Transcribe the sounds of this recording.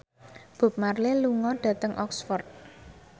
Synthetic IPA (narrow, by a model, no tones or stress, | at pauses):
b̥ʊ̤p̚marleluŋɔɖ̥ä̤t̪əŋʔɔksfɔrt̪̚